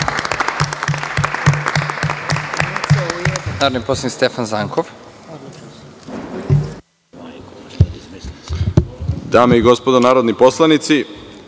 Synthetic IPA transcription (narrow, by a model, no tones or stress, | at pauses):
naːɾod̪niposlˠanik̪st̪efanzaŋkʰof | d̪aːmeiɡospod̪onaːɾod̪niposlˠanit̪si